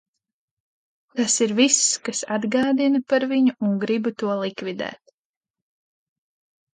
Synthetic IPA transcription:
t̪asiɾviskasad̪ɡɑːd̪inɨpaɾviɲuuŋɡɾibt̪uɔlˠikvid̪ɛ̰ːt̪̚

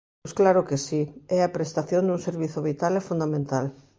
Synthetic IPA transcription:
sklaɾʊkesiɛapɾest̪aθjõnd̪uŋseɾβiθʊβit̪alɛfũnd̪amẽnt̪al

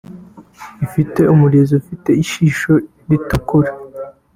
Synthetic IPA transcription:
ifiteomulezofiteiʃiʃo | ditokoɾi

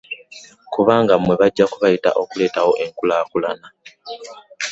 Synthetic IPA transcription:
kuβaːŋɡamwe̞βaɟːakuβajita̰ʔokule̞ːtawo̞ʔe̞ŋkulaːkulana

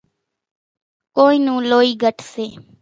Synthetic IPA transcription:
koːiːnũːloːiːɡʱəʈʰseː

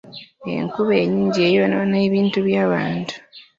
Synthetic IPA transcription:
e̞̰ŋkuβe̞ːɲiːɲɟie̞ːjononeːβiːntuβjaːβaːntu̥

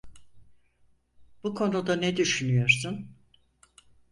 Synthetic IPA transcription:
b̥ukʰo̞nud̪anɛd̪yʃynyjo̞ɾsun

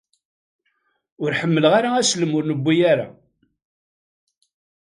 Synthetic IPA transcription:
ʊɾħəmːələʁaɾaæsləmʊɾnəbːijaɾa̰

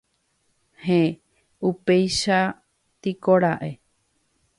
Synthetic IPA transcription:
hẽ | upe̞jʃa | t̪ikoɾaʔe̞

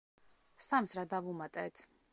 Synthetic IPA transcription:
samsɾad̪avumat̪ʼɛːt̪ʰ

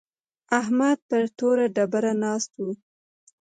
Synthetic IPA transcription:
ahmad̪̚pəɾt̪oɾaɖabaɾanɑst̪wu

